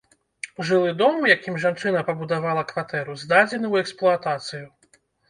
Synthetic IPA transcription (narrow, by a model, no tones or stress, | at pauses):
ʐɨlˠɨd̪ɔmjakʲimʐant͡ʂɨnɐpɐbud̪avalˠɐkvat̪ɛɾuzd̪ad͡zʲɛnɨwɛksplˠuat̪at̪sɨju